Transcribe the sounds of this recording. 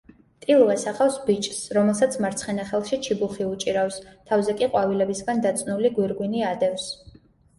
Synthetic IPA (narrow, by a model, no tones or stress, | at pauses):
t̪ʼilˠvɛsaχafsbit͡ʃʼsɾɔmɛlˠsat̪sʰmaɾt̪sʰχɛnaχɛlˠʃit͡ʃʰibuχiut͡ʃʼiɾafst̪ʰavzɛkʼiqʼwavilɛbisɡand̪at̪sʼnuliɡwiɾɡwiniad̪ɛfs